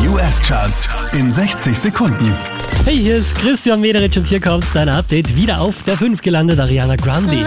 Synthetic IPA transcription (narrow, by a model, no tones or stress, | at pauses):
juːɛst͡ʃaːsʔɪnzɛçt͡sɪçz̥ekʰʊndn̩ | hɛɪhiːɐɪstkʁ̥ɪstjanmeːɾəʁɪt͡ʃʊnthiːɐkʰɔmtd̥aɪnɐʔap̚d̥ɛɪtviːɾɐʔaʊfd̥eːɐfʏnftɡ̥əlandətaʁiaːnaɡʁanbi